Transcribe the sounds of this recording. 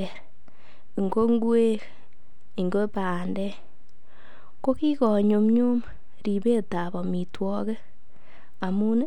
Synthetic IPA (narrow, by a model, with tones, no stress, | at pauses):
ɛ˨ɾ | i˨ŋɡo˦ŋɡwe˦ɾ | i˨ŋɡo˦pa˨ndɛ˦ | ko˦ki˦kɔ˨ɲo˨mɲu˦m | ɾi˨be˦ta˨bɔ˨mi˨twɔ˦ke˦ | a˨mu˦n